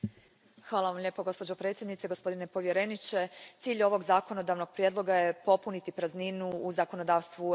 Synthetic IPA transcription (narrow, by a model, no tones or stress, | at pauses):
xʋaːlˠaʋamʎeːpoɡo̞spod͡ʑopɾe̞ːt̪sʲjed̪nit̪seɡo̞spo̞d̪ine̞po̞ʋje̞ɾe̞nit͡ʃe̞t̪siːʎo̞ʋo̞ɡzako̞no̞d̪aʋno̞ɡ̥̚pɾijed̪lˠo̞ɡaje̞po̞punit̪ipɾazninuːzako̞no̞d̪aːʋst̪ʋu